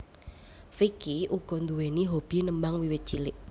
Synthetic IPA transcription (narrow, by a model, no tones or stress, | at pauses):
fikiʔuɡ̥ɔ̤nd̪uweniɦob̥i̤nəmbaŋwiwɪt̪̚t͡ʃilɪʔ